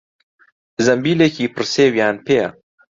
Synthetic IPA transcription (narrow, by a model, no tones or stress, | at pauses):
zɐmbiːleːkiːpʰɨrseːwjaːnpʰeːa̰